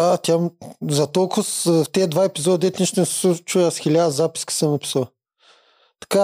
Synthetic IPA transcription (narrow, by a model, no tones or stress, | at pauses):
at̪ʲjamzɐt̪ɔlˠkʊst̪ɛd̪vaɛpizɔd̪d̪ɛt̪ʲnʲiʃt̪ɛnɛssut͡ʃuasxʲilʲad̪ɐzapi̥skʲi̥səmnɐpi̥səlˠ | t̪ɐ̥ka